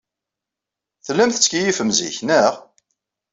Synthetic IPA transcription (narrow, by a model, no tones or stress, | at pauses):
θəlːæmθə̥t͡sːkijifəmzḭçnæʁ